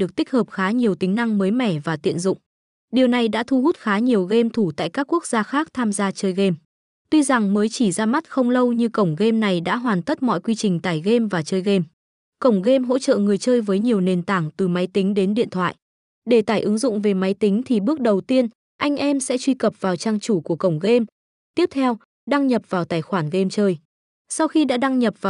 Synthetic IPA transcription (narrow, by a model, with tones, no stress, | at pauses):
ɗɨ˨˩ək̚t̪ï˦˥k̟̚həː˨˩p̚xaː˨˦ɲi˨˩əwt̪i˨˦ŋ̟na˧ŋməː˨˦jmɛ˧˩vaː˨˩t̪ḭ˧˨ənzʊ̰˧˨ŋ͡m | ɗi˨˩əwna˨˩jɗa̰ː˧˥t̪ʰu˧ɦu˦˥t̚xaː˨˦ɲi˨˩əwɣe˧mt̪ʰu˧˩t̪a̰ː˧˨jkaː˦˥kːu˦˥ək̚z̥aː˧xaː˦˥k̚t̪ʰaː˧mzaː˧t͡ɕəː˧jɣe˧m | t̪wi˧za˨˩ŋməː˨˦jt͡ɕi˧˩zaː˧ma˦˥t̚xə˧wŋ͡mlə˧wɲɨ˧kə˧˩wŋ͡mɣe˧mna˨˩jɗa̰ː˧˥ɦwaː˨˩nt̪ʰə˦˥t̚mɔ̰˧˨jkwi˧t͡ɕï˨˩ŋ̟t̪aː˧˩jɣe˧mvaː˨˩t͡ɕəː˧jɣe˧m | kə˧˩wŋ͡mɣe˧mɦo̰˧˥t͡ɕə̰ː˧˨ŋɨ˨˩əjt͡ɕəː˧jvəː˨˦jɲi˨˩əwne˨˩nt̪aː˧˩ŋt̪ɨ˨˩ma˨˦jt̪ï˨˦ŋ̟ɗe˨˦nɗḭ˧˨ənt̪ʰwa̰ː˧˨j | ɗe˧˩t̪aː˧˩jʔɨ˨˦ŋzʊ̰˧˨ŋ͡mve˨˩ma˨˦jt̪ï˨˦ŋ̟t̪ʰi˨˩ɓɨ˦˥ək̚ɗə˨˩wt̪i˧ən | ʔa˧jŋ̟ʔɛ˧msɛ̰˧˥t͡ɕwi˧kə˨˩p̚vaː˨˩wt͡ɕaː˧ŋt͡ɕu˧˩ku˧˩əkə˧˩wŋ͡mɣe˧m | t̪i˦˥əp̚t̪ʰɛ˧w | ɗa˧ŋɲə˨˩p̚vaː˨˩wt̪aː˧˩jxwaː˧˩nɣe˧mt͡ɕəː˧j | sa˧wxi˧ɗa̰ː˧˥ɗa˧ŋɲə˨˩p̚vaː˨˩